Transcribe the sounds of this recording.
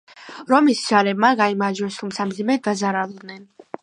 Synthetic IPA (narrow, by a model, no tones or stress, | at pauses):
ɾɔmisʒ̥alɛbmaɡaimaɾd͡ʒwɛst̪ʰumt̪sʰamd̪zimɛd̪azaɾalˠɔd̪nɛn